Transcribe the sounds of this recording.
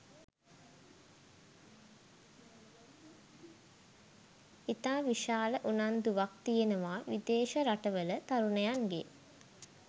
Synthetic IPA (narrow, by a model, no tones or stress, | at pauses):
it̪aːʋiʃaːləʔunand̪uʋak̚t̪ijenəʋaːʋid̪eːʃəɾaʈəʋələt̪aɾunejaŋɡe